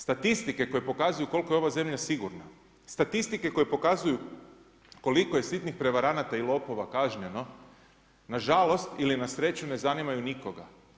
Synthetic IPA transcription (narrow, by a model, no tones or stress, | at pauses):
st̪at̪ist̪ike̞ko̞jepo̞kazujuko̞lˠko̞jo̞ʋaze̞mʎasiɡuɾna | st̪at̪ist̪ike̞ko̞jepo̞kazuju | ko̞liko̞je̞sit̪nixpɾe̞ʋaɾanat̪ailˠo̞po̞ʋakaʒɲe̞no̞ | naʒalo̞st̪ilinasɾe̞t͡ɕune̞zanimajuniko̞ɡa